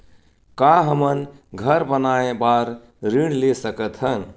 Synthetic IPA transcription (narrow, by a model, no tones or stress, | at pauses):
kaɦəmənɡʱəɾbənaebaɾ | ɾiɽ̃lesəkət̪ʰɦən